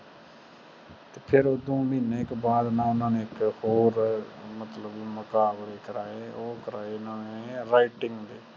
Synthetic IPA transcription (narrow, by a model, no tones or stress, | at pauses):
t̪eːpʰɪɾoːd̪õːmiːneːɪkbaːd̪nãːʊnãːneːɪkhoːɾmət̪ləbiməkaːbɾeːkəɾaːeːoːkəɾaːeːnaːeɾaːɪʈɪŋɡd̪eː